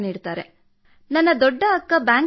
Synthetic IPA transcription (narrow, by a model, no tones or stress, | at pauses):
niːɽt̪aːɾe | nɐnːɐd̪ɔɖːɐɐkːɐbjaːŋ